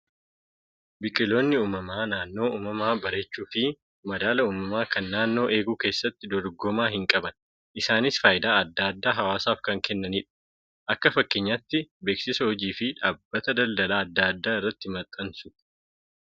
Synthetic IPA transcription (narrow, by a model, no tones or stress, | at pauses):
bɪkʼɪlo̞ːnːɪuːmɐmaːnaːnːo̞ːʔuːmɐmaːbɐɾet͡ʃːuːfɪ | mɐd̪aːlɐuːmɐmaːkɐnːaːnːo̞ːʔe̞ːɡuːke̞ːsːɐt̪ːɪd̪ɔɾɡɔmaːɦɪŋkʼɐbɐn | ʔɪsaːnɪsfaːjɪd̪aːɐd̪ːaːɐd̪ːaːɦɐwaːsaːfkɐŋkɛnːɐniːᶑɐ̥ | ʔɐkːɐfɐkːɪɲːat̪ːɪbe̞ːksɪsɐhɔd͡ʒiːfɪᶑaːbːɐt̪ɐd̪ɐld̪ɐlaːɐd̪ːaːɐd̪ːaːɪrːɐt̪ːɪmɐt̪ʼːɐnsʊ̥